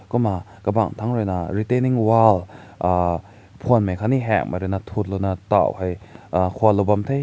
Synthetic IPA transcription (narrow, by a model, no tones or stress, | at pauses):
kuma | kɐbaŋtʰaŋɾojnɐɾiteniŋwal | pʰonmajkʰaniɦɛk̚maɾɯnɐtʰut̚lonɐta̰whajkʰualobamtʰej